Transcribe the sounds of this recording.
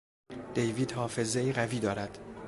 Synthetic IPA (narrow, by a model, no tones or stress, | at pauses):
d̪̥ejviːd̪hɒːfe̞zeiɣæviːd̪ɒːɾæd̪̥